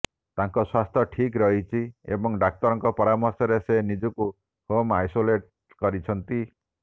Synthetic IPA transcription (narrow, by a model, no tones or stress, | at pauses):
t̪aŋkɔswast̪ʰjɔʈʰikɾɔɦit͡ʃʰiḛbɔŋɖak̚t̪ɔɾɔŋkɔpɔɾamɔɾsɔɾesenid͡ʒɔku | homajsoleʈ̚ | kɔɾit͡ʃʰɔnt̪i